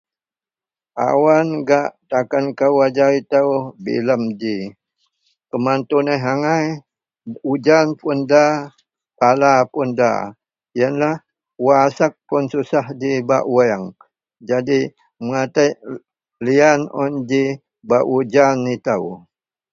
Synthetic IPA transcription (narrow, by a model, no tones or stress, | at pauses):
ʔa̰wanɡaʔt̪akankawad͡ʒait̪awbḭləmd͡ʒi | kəmant̪unaɦaŋaj | ud͡ʒanpunda | palapunda̰ | jənlah | wasak̚pʊnsusahd͡ʒiba̰ʔwaŋ | d͡ʒadi | məŋat̪aʔ | lianɔ̰nd͡ʒi | baʔud͡ʒanit̪aw